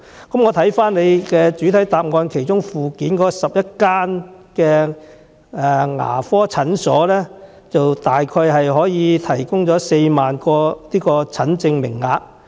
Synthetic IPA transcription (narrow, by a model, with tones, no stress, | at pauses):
kɐ˨˥mŋɔː˨˧t̪ʰɐ˨˥jfaː˥nle˨˧jkɛː˧t͡ʃyː˨˥t̪ʰɐ˨˥jt̪aː˨p̚ŋɔː˧nkʰe˨˩jt͡ʃʊ˥ŋfuː˨kiː˨˥nkɔː˨˥ɔ˧sɐ˨p̚jɐ˥t̚kaː˥nkɛː˧ | ɛ˨˧ŋa̰ː˨˩fɔː˥t͡sʰɐ˨˥nsɔː˨˥lɛː˥ | t͡sɐ˨wt̪aː˨jkʰɔː˧jɦɐ˨jɦɔː˨˥jiː˨˧t̪ʰɐ˨˩jkʊ˥ŋt͡sɔː˨˥se˧jmaː˨nkɔː˧liː˥kɔː˧t͡sʰɐ˨˥nt͡sɪ˧ŋmɪ̰˨˩ŋːaː˨˧k̚